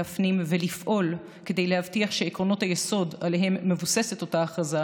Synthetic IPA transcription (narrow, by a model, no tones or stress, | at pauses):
afnimve̞lifʔo̞l | ke̞de̞jlehavtiaχʃe̞ːkʁo̞no̞thajeso̞daleɦe̞mːe̞vuse̞se̞to̞taːχaza